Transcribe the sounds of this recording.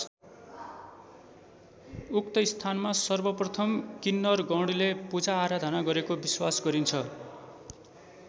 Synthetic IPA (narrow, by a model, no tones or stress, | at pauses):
uk̚t̪ʌist̪ʰanmasʌrbʌprʌt̪ʰʌmkinːʌrɡʌ̃wɽilepud͡zaːɾad̪ʱʌnaɡʌɾekobiswasɡʌɾint͡sʰʌ